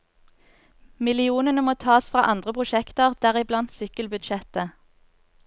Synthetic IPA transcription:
mɪlɪuːnənəmoːt̪ʰɑːsfʁɑ̰ːʔɑnd̪ʁəpʰʁʊʃɛkt̪əʁd̪̥æːʁɪblɑnt̪sʏkəlbʉd̪ʃɛt̪ə

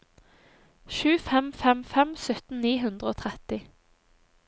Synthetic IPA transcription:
ʃʉːfɛmfɛmfɛmsœt̪n̩niːɦʉnd̪ʁəoːt̪ʰʁɛt̪ɪ

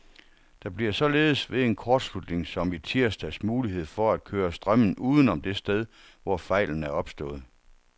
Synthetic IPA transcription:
d̥ɑ̈b̥liɐsɒ̽le̝ːð̞̩ˠəsʋe̝e̝nkʰɒːd̥slud̥ne̝ŋsɒ̽mit͡sʰiɐ̰sd̥æsmuːliɦe̝ð̞̰ˠfɒ̽æd̥̚kʰøːɐsd̥ʁɶm̰n̩uːð̞ˠn̩ɒ̽md̥e̝sd̥eð̞ˠ | ʋɒfɑ̈ɪ̰ln̩æɐɒ̽b̥sd̥ɔ̰̽ːð̩ˠ

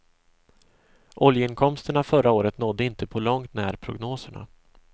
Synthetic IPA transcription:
ʔɔljəɪnkʰɔmst̪əɳafœɾaoːɾət̪nɔd̪ːəɪnt̪əpʰɔlɔŋt̪næːɾpʰɾʊɡnoːsəɳa̰

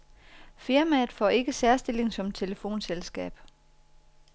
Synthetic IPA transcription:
fiɐmæð̩ˠfɒ̰ːe̝ɡ̥əsæɐsd̥e̝l̰e̝ŋsɒ̽mt͡sʰe̝ləfo̝̰ːnselsɡ̥ɛ̰ːb̥

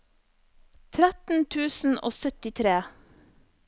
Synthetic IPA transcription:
t̪ʰɾæt̪n̩t̪ʰʉːsn̩ʔo̰ːsœt̪ɪt̪ʰɾeː

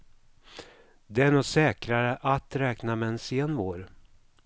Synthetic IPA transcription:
d̪ɛæɳɔsɛːkɾaɾəʔat̪ɾɛːknamɛːnseːnvoːɾ

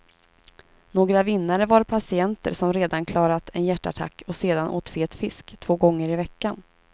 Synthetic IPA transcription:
noːɡɾavɪnːaɾəvaɾpʰasɪɛnt̪ə̰ɾsɔmɾeːd̪ankʰlɑːɾat̪ʰɛnjæʈːa̰ʈʰa̰kːɔseːd̪anʔo̰ːt̪feːt̪fɪskt̪ʰv̥oːɡɔŋːəɾɪvɛkːan

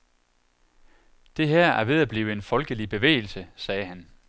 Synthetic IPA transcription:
d̥e̝ɦæɐ̰æɐʋe̝ð̞ˠæb̥liːʊəe̝nfɒ̽lɡ̥əlib̥e̝ʋḛːɪl̩səsɛːhæn

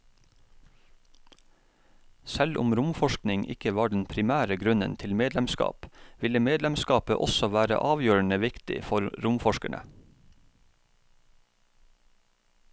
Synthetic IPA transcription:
sɛlʔʊ̰mɾʊmfɔʃknɪŋʔɪ̰kəʋɑːɖɛn̩pʰɾɪmæːɾəɡɾʉnənt̪ʰɪlmeːd̪lɛmskɑ̰ːpʋɪləmeːd̪lɛmskɑːpəʔɔsɔʋæːɾə̰ʔɑːʋjøːəɳəʋɪkt̪ɪ̰fɔɾɾʊmfɔʃkæ̰ɳə̰

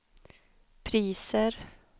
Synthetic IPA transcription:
pʰɾiːsəɾ

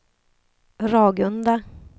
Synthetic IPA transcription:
ɾɑːɡɵnd̪a

